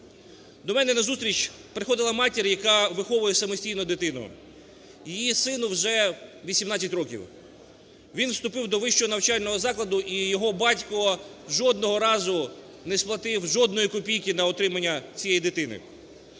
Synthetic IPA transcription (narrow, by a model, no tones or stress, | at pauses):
d̪ɔmɛnɛnɐzust̪ɾʲit͡ʃpɾɪxɔd̪ɪlˠɐmɑtʲeɾʲjɐkɑʋɪxɔʋʊjɛsɐmɔsʲtʲijnɔd̪ɪt̪ɪnʊ̰ | jijisɪnʊwʒɛʋʲisʲimnɑt͡sʲːɐtʲɾɔkʲḭw | ʋʲinwst̪ʊpɪwd̪ɔʋɪʃt͡ʃɔnɐwt͡ʃɑlʲnɔɦɔzɑklˠɐd̪ʊʔijɔɦɔbɑtʲkɔʒɔd̪̚nɔɦɔɾɑzʊ | nɛsplˠɐt̪ɪwʒɔd̪nɔjikɔpʲijkʲɪnɐɔt̪ɾɪmɐnʲːɐt͡sʲijɛjid̪ɪt̪ɪnɪ̰